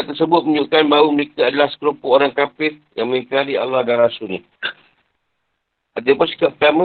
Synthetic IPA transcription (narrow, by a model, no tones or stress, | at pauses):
at̪ərsəbʊt̪̚məɲʊʔkanbauməɾekaadalahsə̥kəɾopʊoɾaŋkapɪrjaŋməŋikaɾia̰lahɡaɾasuni | ʔat̪apʊnsi̥kapət̪amə